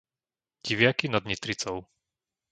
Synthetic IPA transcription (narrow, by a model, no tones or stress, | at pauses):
ɟ̥iʋɪakinad̪ɲit̪ɾit͡sɔʊ